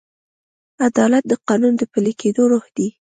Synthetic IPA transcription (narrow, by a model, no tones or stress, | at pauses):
ad̪ɑlat̪̚d̪əqɑnund̪əpəleked̪oɾohd̪̥i